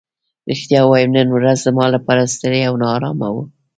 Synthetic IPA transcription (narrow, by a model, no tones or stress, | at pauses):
ɾixt̪jɑwɑjəmnənwɾazzəmɑlapɑɾast̪əɽeawnɑːɾɑmawu